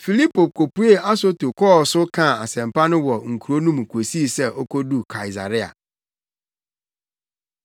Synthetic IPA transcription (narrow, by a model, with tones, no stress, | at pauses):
fi˨li˦pʰo˨ko˨pu˦e˦a˦so˦tu˨kʰɔː˦˨sʊ˦kʰã˦˨a˨sɛ̃˨mpa˦nʊ̃˦wɔ˨ŋ̩˨kʰu˨ɾo˦nũ˦m˨kʰo˨si˦sɛ˦ʔo˦kʰo˦du˦kʰa˨i˨sa̰˨ɾɪ˦a̰˨